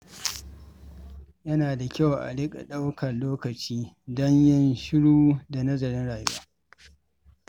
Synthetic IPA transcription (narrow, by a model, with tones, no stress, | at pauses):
jɐ˦naː˨da˨kʲa˦˨wʔa̰˨lɪ˦kʼa̰˨ɗa˦wkʰɐ˨nloː˦kɐ˨t͡ʃiː˦ | dɔ˦ɲjɪ˦nʃɪ˦ɽuː˦da˨nɐ˦zɐ˨ɾɪ˦nɽaː˨jṵ˦aː˦